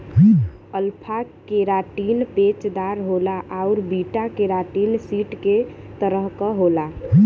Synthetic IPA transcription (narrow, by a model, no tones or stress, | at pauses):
əlpʰakeɾaʈinpet͡ʃd̪aɾɦolaʔaʊɾbiʈakeɾaʈinsiʈket̪əɾəɦkəɦola